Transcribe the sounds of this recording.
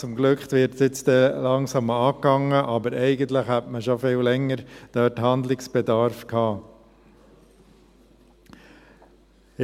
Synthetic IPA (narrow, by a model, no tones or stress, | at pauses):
t͡sʊmɡlɵkχt̪ʋɪɾtjɪt͡std̥ɛlɑŋsɑmɑːkːɑŋːəʔɑbəɾɛɪɡənt̪ləχhætməʃofɪllɛŋːəɾd̥œːtɦɑnd̪lɪksb̥ɛd̪ɑɾfkʰhɑː